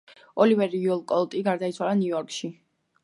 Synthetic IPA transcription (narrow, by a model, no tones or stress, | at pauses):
ɔlivɛɾiɔlˠkʼɔlˠt̪ʼiɡaɾd̪ait̪sʰwalˠanjuɔɾkʼʃi